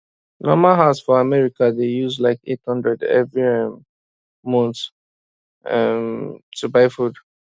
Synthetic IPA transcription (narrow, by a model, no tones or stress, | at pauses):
nʔɔmaɦasfɔamɛɹikadejuzlaɪkḛthʌ̃ndɹɛdɛ̰vɹiɛm | mɔ̃nt | ɛmtʰubaɪfud